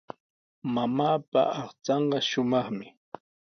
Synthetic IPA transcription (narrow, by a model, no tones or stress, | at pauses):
mamaːpa̰ʔɑχt͡sɑɴɢɑʃʊmɑχmɪ